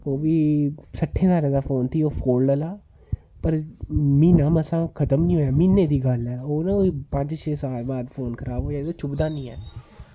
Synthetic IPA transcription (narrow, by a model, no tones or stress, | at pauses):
oːʋiːsəʈʰːẽːsaːɾẽːd̪aːfʰoːnt̪ʰiːoːpʰoːlɖəlaː | pəɾmiːnaːməsãːkʰət̪əmnĩːɦoːjaːminːeːd̪iːɡəlɛːoːnãkoːiːpə̃ɲd͡ʒt͡ʃʰeːsaːlbaːd̪pʰoːnkʰəɾaːboːjad̪õːt͡ʃʰʊbd̪aːnĩːɛː